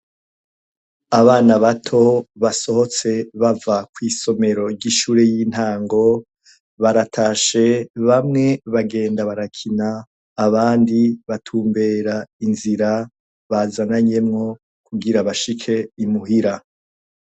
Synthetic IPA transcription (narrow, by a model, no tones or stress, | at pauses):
aβaːnaβatʰo̞βaso̞ho̞t͡se̞βavakwiːso̞me̞ɾo̞ɾɟiʃuːɾejiːn̥haːŋɡo̞ | βaɾatʰaːʃe̞βamŋe̞βaɡe̞ːndaβaɾakʰinaː | βaːndiβatʰuːmbe̞ːɾainziɾa | βazanaɲe̞mŋo̞ | kuɡiɾaβaʃikʰe̞imuɦiɾa